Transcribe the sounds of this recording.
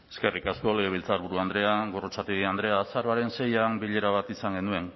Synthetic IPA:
e̞ske̞rikasko̞leɣ̞eβ̞ilt͡saɾβuɾuand̪ɾe̞aɡo̞rot͡sat̪iɣiand̪ɾe̞asaɾoaɾe̞nse̞jambiʎe̞ɾaβat̪isaŋɡe̞nue̞n

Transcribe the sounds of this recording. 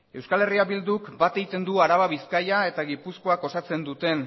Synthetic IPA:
e̞wskale̞riaβild̪ukbat̪e̞ɣit̪e̞nd̪uaɾaβaβiskajae̞t̪aɣipusko̞ako̞sat͡se̞nd̪ut̪e̞n

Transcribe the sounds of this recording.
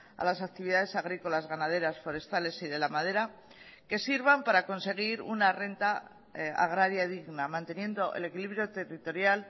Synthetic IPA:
a̰lasak̚t̪iβiðað̞e̞saɣ̞ɾiko̞lazɣanað̞e̞ɾasfo̞ɾe̞st̪ale̞siðe̞lamað̞e̞ɾa | ke̞siɾβampaɾako̞nse̞ɣ̞iɾṵnare̞nt̪a | a̰ɣ̞ɾaɾjaðiɣnamãnt̪e̞nje̞nd̪o̞ʔḛle̞kiliβɾjo̞t̪e̞rit̪o̞ɾjal

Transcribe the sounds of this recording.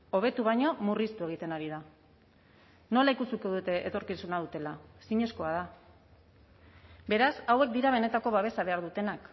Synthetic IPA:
o̞β̞e̞t̪uβ̞ajɲo̞murist̪ue̞ɣ̞it̪e̞naɾiða | no̞laikusukoðut̪e̞ʔet̪o̞ɾkisunaðut̪e̞lasiɲe̞sko̞að̞a | be̞ɾasawe̞k̚d̪iɾaβ̞e̞ne̞t̪ako̞β̞aβ̞e̞saβe̞aɾðut̪e̞nak

